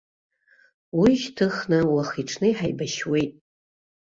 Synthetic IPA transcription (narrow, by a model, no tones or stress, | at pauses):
wiʒtʰɨχnɨwaχiʈ͡ʂʰnɨiħajbaʃwejtʼ